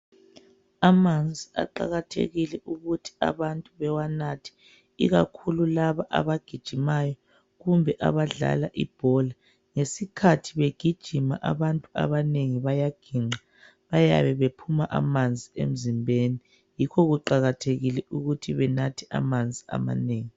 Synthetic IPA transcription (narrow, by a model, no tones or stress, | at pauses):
amand͡zʱia̰ǃa̰ɣatʰḛɣilɛʔuɣutʰi̥a̰βantʼuβɛwanatʰi̥ | ḭɣakʰululaβaʔa̰βaɡ̥ʱid̥ʒ̥ʱimajɔ | ɣumbʱɛʔa̰βaɮa̰laʔḭb̥ʱɔla | ŋesikʰatʰiβeɡ̥ʱid̥ʒ̥ʱimaʔaβantʼua̰βaneŋiβajaɡ̥ʱiŋ͡ǃʱa | βaja̰βɛβepʰumaʔamand͡zʱiḛm̩zimbʱeni | jikʰɔɣuǃaɣatʰeɣilɛʔuɣutʰiβɛnatʰia̰mand͡zʱia̰ma̰neːŋi